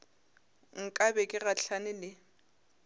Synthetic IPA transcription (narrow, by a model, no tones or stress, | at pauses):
ŋ̩kʼabɛkʼɪɣaɬʰanɪlɪ